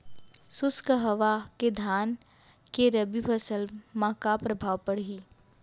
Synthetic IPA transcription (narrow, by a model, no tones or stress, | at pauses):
sʊskəɦɐʋaked̪ʱaːn | keɾɐbipʰɐsəlmãkapɾɐbʱaːʋpəɽ̤ɦiː